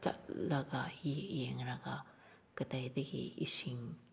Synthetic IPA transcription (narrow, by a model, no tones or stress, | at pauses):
t͡ʃɐ̰tlɐɡɐjijeŋɾɐɡɐ | kɐtajdɐɡḭḭsiŋ